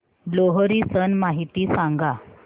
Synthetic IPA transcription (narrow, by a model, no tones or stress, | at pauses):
ɖloɦəɾiːsənmaɦit̪iːsãŋɡa